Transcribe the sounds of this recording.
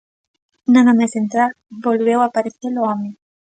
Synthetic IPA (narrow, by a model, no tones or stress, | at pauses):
nanamesent̪ɾal | bolβewapaɾeθeloame